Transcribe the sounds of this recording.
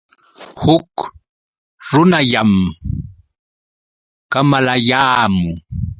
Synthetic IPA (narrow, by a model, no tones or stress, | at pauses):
hʊk | ɾʊnaʎam | kamalajaːmʊ